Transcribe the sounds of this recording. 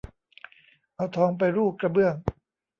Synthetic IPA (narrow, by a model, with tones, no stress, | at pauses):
ʔa˧˩wt̪ʰɔː˧˦ŋp̬a˧jɾuː˥˩kɾa˧bɯ˥˩əŋ